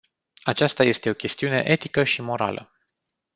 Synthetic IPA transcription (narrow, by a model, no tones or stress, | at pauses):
at͡ʃast̪aje̞st̪e̞o̞kʲe̞st̪iune̞̰ʔe̞t̪ikəʃimo̞ɾa̰lə̰